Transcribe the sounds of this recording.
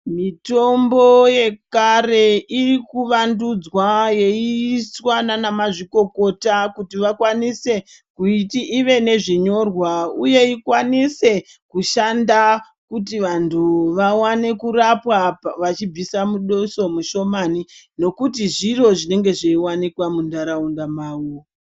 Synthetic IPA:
mito̞mbo̞je̞kare̞irikuʋandud͡zwajeiswananamaʐiko̞ko̞takutiʋakwanise̞ | kuitiʔiʋe̞ne̞ʐiɲo̞rwauje̞ikwanise̞ | kuʃanda | kutiʋantʰuʋawane̞kurapwaʋat͡ʃib͡visamuɗoso̞muʃo̞manino̞kutiʐiro̞ʐine̞ŋɡe̞ʐeiwanikwamundaɾaundamaːwu

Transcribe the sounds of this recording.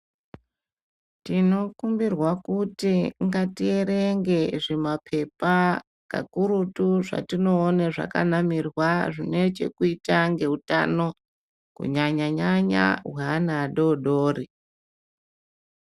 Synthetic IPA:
tino̞kumbirwakutiŋɡatie̞ɾeŋɡe̞ʐemapʰe̞pa | ka̰kuɾutuʐa̰tino̞ːneʐa̰ka̰namirwaʐine̞t͡ʃe̞̰kuitaŋɡe̞uta̰no̞ | kṵɲaɲaɲaɲa̰wwanaɗo̞ɗoːri

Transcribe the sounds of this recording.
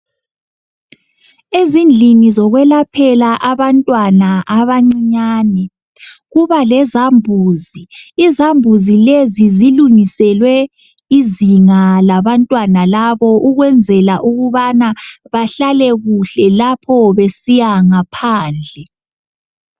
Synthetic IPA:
ezind͡ɮʱinizɔɣwɛlapʰɛlaʔaβantʼwanaʔaβaŋ͡ǀiɲaːnɛ | ɣuβalɛzambʱuːziːzambʱuzileziziluŋisɛlwɛ | iziŋalaβantʼwanalaβɔʔuɣwɛnd͡zʱɛlaʔuɣuβanaβaɬalɛɣuɬɛlapʰɔβesijaŋapʰaːnd͡ɮʱɛ

